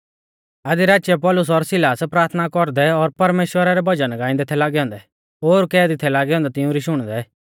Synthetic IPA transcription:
ad̪iɾaːt͡ʃjɛpɔːlʊs̬ɔɾsɪlaːspɾaːɾt̪ʰnakɔɾd̪ɛɔɾpɐɾmeːʃwəɾaɾɛbʱɐd͡ʒənɡãːɪ̃nd̪ɛt̪ʰɛlaːɡɛɔ̃ːnd̪ɛ | ɦoːɾkɛːd̪it̪ʰɛlaːɡɛɔ̃ːnd̪ɛt̪ɪũɾiʃʊɽ̃d̪ɛ

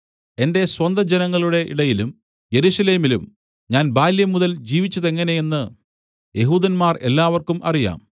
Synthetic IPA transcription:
e̞nde̞swɐnd̪ʱɐd͡ʑenɐŋːɐɭuɽe̞ʔḭɽɐjilum | je̞ɾuɕɐle̞ːmilum | ɲaːnbaːljɐmuðɐld͡ʑiːʋit͡ɕːɐðe̞ŋːɐne̞je̞nːɨ | je̞ɦuːd̪ɐnmaːre̞̰lːaːʋɐrkumɐ̰rija̰ːm

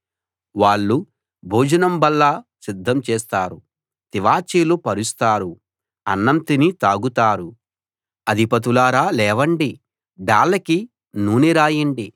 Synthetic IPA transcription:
ʋaːɭːu | bʱoːd͡ʒɐnɐmbɐlːɐsid̪ʱːɐmt͡ʃɛːst̪aːɾu | t̪iʋaːt͡ʃiːlupɐɾust̪aːɾu | ɐnːɐnt̪init̪aːɡut̪aːɾu | ɐd̪ʱipɐt̪̬ulaːɾaːlɛːʋɐɳɖi | ɖaːɭːɐki | nuːniɾaːjiɳɖi

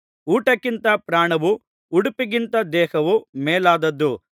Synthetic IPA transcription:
uːʈɐkːint̪ɐpɾaːɳɐʋu | uɽupiɡint̪ɐd̪ɛːhɐʋumeːlaːd̪ɐd̪ːu

